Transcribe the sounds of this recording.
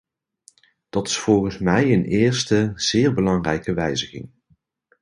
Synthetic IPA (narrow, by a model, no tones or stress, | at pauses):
d̥ɑtɪ̥sfɔlˠχənsmɛjənɪːɹstəz̥ɪːɹbəlɑŋrɛjkəʋɛjzəχɪ̰ŋ